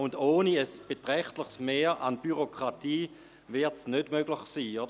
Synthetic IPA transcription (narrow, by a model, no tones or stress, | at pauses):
ʊndoːniəsb̥etʁɛχtlɪχsmeːʔanb̥yʁokʁ̥atiː | vɪɐtsnødmøɡ̥lɪχsiːod